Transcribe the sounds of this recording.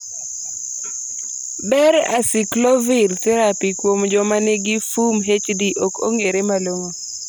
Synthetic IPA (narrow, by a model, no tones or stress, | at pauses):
bɛɾa̰sɪklɔvirt̪ɛɾapikwomd͡ʒɔmaneɡɪfumɦet͡ʃdiʔoko̰ŋeɾemaloŋo